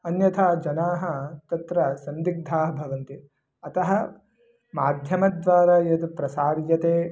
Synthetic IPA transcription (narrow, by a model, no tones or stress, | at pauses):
ɐnjɐt̪ʰaːd͡ʒɐnaːɦɐt̪ɐt̪ɾɐsɐnd̪iɡ̚d̪ʱaːɦɐbʱɐʋɐnt̪i | ɐt̪ɐɦɐ | maːd̪ʱjɐmɐd̪ʋaːɾaːjɐd̪upɾɐsaːɾjɐt̪eː